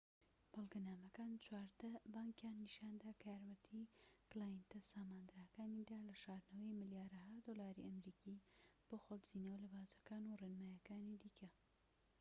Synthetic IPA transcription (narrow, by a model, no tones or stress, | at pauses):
b̥ɐlˠɡɐnaːmɐkaːnt͡ʃwaːɾd̪ɐbaːŋkjaːnːiʃaːnd̪aːkʰjaːɾmɐt̪ʰiklaːjint̪ɐsaːmaːnd̪ɾaːkaːnid̪aːlɐʃaːɾnɐwɐjmɨljaːɾɐɦad̪olaːɾḭʔɐmɾiːkʰiːb̥oxolz̥inɐwlɨbaːzɐkaːnurenmaːjɐkaːnid̪iːkʰɐ